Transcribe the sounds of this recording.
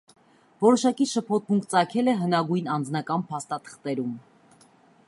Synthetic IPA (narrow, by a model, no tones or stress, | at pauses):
vɔɾɔʃɑkiʃəpʰɔt̪̚ʰmuŋkʰt͡sɑkʰɛlɛɦənɑɡujnɑnd͡znɑkɑnpʰɑst̪ɑt̪ʰə̥χt̪ɛɾum